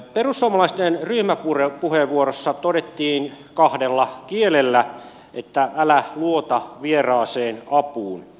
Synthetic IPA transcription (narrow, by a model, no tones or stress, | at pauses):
perusːuomɑlɑist̪enryhmæpurepuheʋʋuorosːɑt̪odet̪ːiːnkɑhdelːɑkielelːæ | ʔet̪ːæælæluot̪ɑʋierɑːseːnɑpuːn